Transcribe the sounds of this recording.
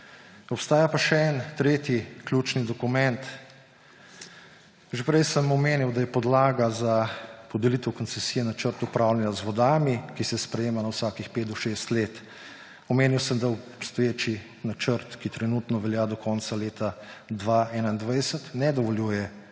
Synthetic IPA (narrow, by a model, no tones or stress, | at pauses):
ɔpst̪aːjapaʃɛɛnt̪ɾeːt̪jikljuːt͡ʃnid̪ɔkumɛnt̪ | ʒepɾɛjsəmɔmeːniwd̪ajɛpɔd̪laːɡazapɔd̪ɛlit̪ɛwkɔnsɛsijɛnat͡ʃəɾt̪upɾaːwlɛnjazʋɔd̪aːmikisɛspɾɛjeːmanawsaːkixpeːt̪̚d̪ɔʃeːst̪leːt̪ | ɔmeːniwsəmd̪aɔpst̪ɔjeːt͡ʃi | nat͡ʃəɾt̪kit̪ɾɛnut̪nɔʋɛljaːd̪ɔkʰɔːnt̪saleːt̪ad̪ʋaʔɛːnaind̪ʋajsət̪nɛd̪ɔʋɔljuːjɛ